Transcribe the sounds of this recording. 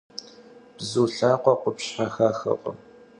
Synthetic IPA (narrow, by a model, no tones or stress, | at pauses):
b̥zuːɬaːqʷɔqʷʊpɕħɐxaːxɐ̰qʷʼɔ̰m